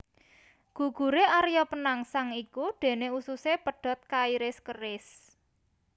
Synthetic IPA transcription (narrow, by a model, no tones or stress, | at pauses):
ɡ̥ṳɡ̥ṳɾeaɾjɔpənaŋsaŋikuɖ̪̥e̤neususepəɖ̥ɔ̤t̪̚kaiɾɪskəɾɪs